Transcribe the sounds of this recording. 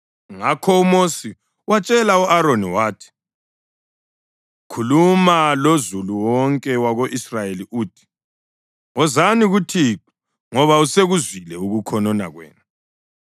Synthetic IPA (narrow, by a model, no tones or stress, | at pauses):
ŋakʰɔumosi | wat͡ʃʼɛlauʔaɾoniwaːtʰi̥ | kʰulumalozuluwɔŋkʼɛwaɣoʔisrajeliuːtʰi̥ | ŋɔzaniɣutʰiǁa | ŋɔβauseɣuzwilɛuɣukʰɔnɔna̰ɣwɛ̰ːnu